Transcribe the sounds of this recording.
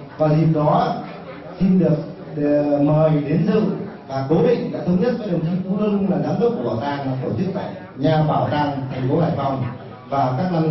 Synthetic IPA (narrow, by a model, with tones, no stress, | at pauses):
vaː˨˩zi˨˩əp̚ɗɔ˨˦ | si˧nɗɨ˨˩ək̚ | məː˨˩jɗe˨˦nsɨ̰˧˨ | vaː˨˩ko˨˦vḭ˧˨ŋ̟ɗa̰ː˧˥t̪ʰə˧wŋ͡mɲə˦˥t̚kɔː˨˦jɗə˨˩ŋt͡ɕʰi˨˧˦fu˧˦lə˧ʊ˧ŋ͡mlaː˨˩zaː˨˦mɗɨ˦˥k̚kːɓaː˧˩t̪aː˧˩ŋlaː˨˩t̪o˧˩t͡ɕʰi˦˥ək̚t̪a̰ː˧˨j | ɲaː˨˩ɓaː˧˩wt̪aː˧˩ŋt̪ʰɛ˨˩ŋ̟fo˨˦haː˧˩jva˨˩wŋ͡m | vaː˨˩kaː˦˥k̚na˧